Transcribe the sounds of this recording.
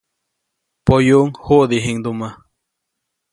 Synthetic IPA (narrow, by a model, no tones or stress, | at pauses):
pojuʔŋhuʔd̪iɦiŋd̪uma